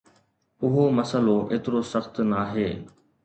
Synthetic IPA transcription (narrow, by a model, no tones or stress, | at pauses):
ʊɦoːməsəloːʔḛːt̪ɾoːsəxt̪naːɦeː